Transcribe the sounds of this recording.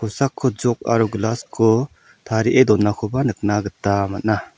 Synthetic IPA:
kʰɔsakʰːɔd͡ʒɔk̚a̰ɾuɡlaskʰɔ | tʰaɾiʔedɔnːakʰɔbanɯk̚naɡɯtːamat̚na

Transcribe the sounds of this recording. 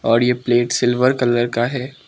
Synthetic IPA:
ɔːɾjepleːʈsɪlʋəɾkɐləɾkaɦɛː

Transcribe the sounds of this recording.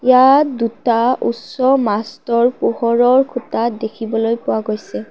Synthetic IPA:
jatdutaṵtsɔmastɔɹpuhɔɹɔɹkʰutadekʰibɔlojpʊwaɡojsɛ

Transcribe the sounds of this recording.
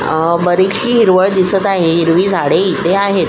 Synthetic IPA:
bəɾikɕiːɦiɾʋəɭd̪isət̪aɦeɦiɾʋiːd͡zʱaɽeit̪eaɦet̪

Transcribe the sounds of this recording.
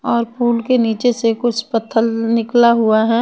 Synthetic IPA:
ɔːɾpuːlkeniːt͡ʃesekʊt͡ʃʰpət̪ʰːəlnɪklaɦuaɦɛː

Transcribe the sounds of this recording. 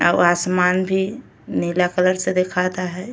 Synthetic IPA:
a̰asmanbʱi | nilakələɾsed̪ekʰat̪aɦɛː

